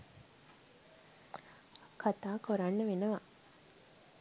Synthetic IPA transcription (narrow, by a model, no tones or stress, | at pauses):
kʰat̪aːkoɾanːəʋenɐʋa